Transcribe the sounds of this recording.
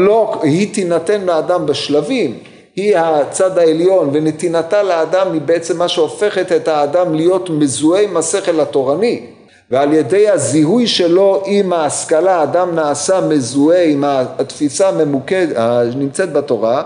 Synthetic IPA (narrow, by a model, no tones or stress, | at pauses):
lohit̪inat̪enleadambeʃlavim | hihat͡sad̪aeljo̞nvenet̪inat̪aleadamibeet͡semːaʃeo̞fe̞χet̪et̪haːdamlijo̞t̪mezueimhase̞χelhato̞ʁani | vealje̞de̞jhaziɦujʃelo̞ʔimaːskalaːdamnaːsamezueimat̪fisamemukeanimt͡set̪̚bat̪o̞ʁa